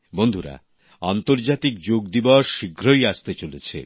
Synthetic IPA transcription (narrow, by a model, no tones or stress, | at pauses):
bond̪ʱuɾa̰ | ant̪oɾd͡ʑat̪ik̚d͡ʑoɡd̪ibɔʃːiɡʱɾojaʃt̪et͡ɕolet͡ɕʰḛ